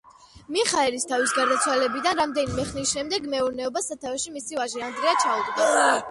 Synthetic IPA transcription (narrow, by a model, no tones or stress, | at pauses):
miχaɛɾist̪ʰavisɡaɾd̪at̪sʰwalɛbid̪anɾamd̪ɛnimɛχnisʃɛmd̪ɛɡmɛuɾnɛɔbasat̪ʰavɛʃimisivaʒiand̪ɾiat͡ʃʰaut̪ʼd̪a